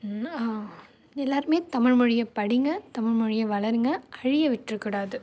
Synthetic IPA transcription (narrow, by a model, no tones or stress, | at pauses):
aː | ɛlːaːɾɯmeːt̪ɐmɪɻmɯɻɪjɐpɐɽɪŋɡɐt̪ɐmɪɻmɔɻɪjɐʋɐɭɐɾŋɡɐʔɐɻɪjɐʋɪʈrɯkːɯɽaːðɯ